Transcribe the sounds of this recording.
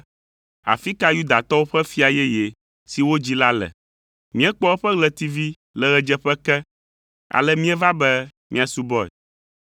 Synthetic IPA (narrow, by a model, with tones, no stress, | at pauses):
a̰˨fi˦ka˦ju˦d̪a˨t̪ɔ˦wo˦ɸɛ˦fi˦a˨jɛ˦jɛ˨ | si˨wo˦d͡ʑi˦la˦lɛ̰˨ | mĩ˦ɛ˦k͡pɔ˦ɛ˦ɸɛ˦ɡlɛ˨t̪i˦vi˦ | lɛ˨ɣɛ˨d͡ʒɛ˦ɸɛ˦kɛ˦ | a̰˨lɛ˦mĩ˦ɛ˦va˦bɛ˦ | mĩ˦a˨su˦bɔ˦ɛ̰˨